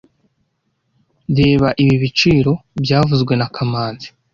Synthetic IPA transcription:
deːβaʔiβiβit͡ʃiːɾo̞bɟaːvuzɡwe̞nakʰamaːnzi̥

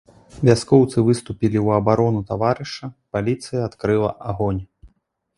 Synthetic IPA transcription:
vʲaskɔwt̪sɨvɨst̪upʲilʲiwɐbaɾɔnut̪avaɾɨʂɐpalʲit̪sɨjɐːt̪kɾɨlˠɐ̰ʔaɣɔnʲ

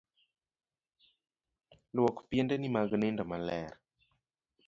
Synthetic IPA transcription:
lwɔkpjendɛnimaɡnɪndɔmalɛr

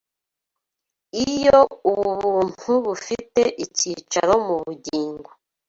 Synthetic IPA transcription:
ijouβuβuːn̥huβufiteʔicit͡ʃa̰ɾo̞muβuɟiːŋɡwo

